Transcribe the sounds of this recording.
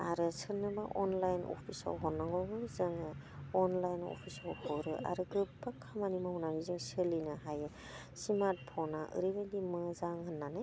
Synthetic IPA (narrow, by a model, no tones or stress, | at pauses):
aɾɯsɯɾnɯbaʔɔnlajnɔ̰pʰisa̰wɦɔnːaŋɡɔwɡɯzɯŋɯɔnlajnɔ̰pʰisawhɔɾɯa̰ɾɯɡɯp̚bakʰːamanimahunanizɯŋsɯlinaɦajɯ | simat̚pʰɔnaʔɯ̰ɾibadimɯzaŋɦɯnːanɯj